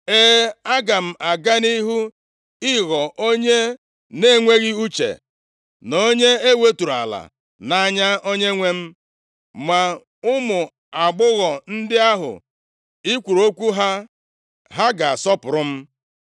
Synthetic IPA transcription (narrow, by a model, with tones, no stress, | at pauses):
eː˦a˦ɡa˨m̩˦˨ʔa˨ɡa˦ni˦ɦu˦ | ɪ˦ɣɔ˨ʔo˦ɲe˦ | ne˦˨ŋʷe˦ɣi˦u˦t͡ʃḛ˨ | no˦ɲe˦e˦we˦tu˨ɾa̰˨la̰˨ | na˦˨˦ɲa˦o˦ɲe˦ŋʷe˦m̩˦ | ma˨ | ʊ˦mʊ˨ | a˨ɡ͡bʊ˦ɣɔ˨n̩˦dɪ˦a˦ɦʊ̰˨ | i˦kʷu˨ɾo˦kʷu˦ɦa˦ | ɦa˦ɡa˨a˨sɔ˦pʊ˨ɾʊ˦m̩˦